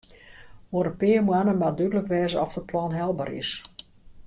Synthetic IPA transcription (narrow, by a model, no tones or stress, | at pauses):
ʋoɾəpɪːəmuanəmadydələkʋɛːzəɔfdəplɔnɦɛlˠba̰rɾɪ̰s